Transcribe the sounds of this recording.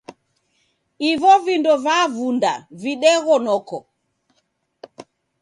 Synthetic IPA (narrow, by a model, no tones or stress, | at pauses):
ivɔvindɔvavunda̰viɗɛɣɔnɔkɔ